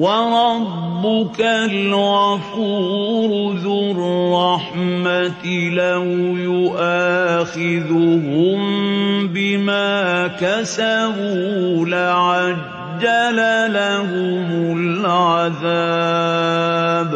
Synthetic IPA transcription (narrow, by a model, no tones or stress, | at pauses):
wɑɾˤɑbːʊkalɣafuːɾʊðʊrːɑħmat̪lahʊjʊʔaːxɪðʊɦʊmbɪmaːkasabuːlaʕa | d͡ʒːalalahʊmʊlʕaðaː | b